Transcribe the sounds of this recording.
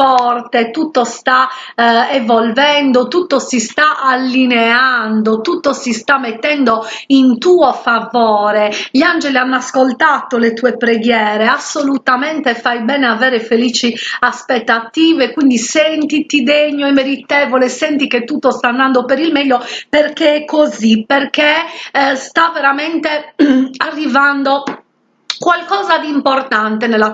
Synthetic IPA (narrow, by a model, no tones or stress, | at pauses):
fɔrt̪et̪ut̪ːost̪a | ɛvolvɛnd̪ot̪ut̪ːosist̪aʔalːineand̪ot̪ut̪ːosist̪amːet̪ːɛnd̪oint̪uːɔfavɔːɾeʎand͡ʒelianːaskolt̪at̪olet̪uːepɾeɡjɛːɾeasːolut̪amɛnt̪efajbɛːneavɛːɾefeliːt͡ʃiaspet̪ːat̪iːvekwind̪isɛnt̪it̪id̪eɲːoɛmːeɾit̪ɛːvolesɛnt̪iket̪ːut̪ːost̪aːnd̪and̪opeɾilmɛʎːoperkeɛkʰːoziperkest̪aveɾamɛnt̪earːivand̪o | kwalkɔːzad̪iːmport̪ant̪enelːa